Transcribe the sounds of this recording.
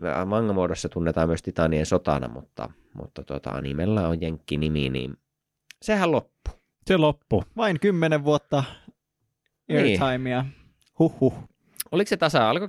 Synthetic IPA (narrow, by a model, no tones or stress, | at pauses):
ʋɑŋːɑmuodosːɑt̪unːet̪ɑːmmyøst̪it̪ɑniensot̪ɑ̰nɑ̰mut̪ːɑ̰ | mṵt̪ːɑt̪uot̪ɑ̰ɑ̰nimelːæojjeŋkːiniminḭːn | sehællopːu̥ | selopːuʋɑiŋkymːeneʋʋuot̪ːɑ | et̪ɑimiɑ | huhːuh | olikset̪ɑsɑɑlko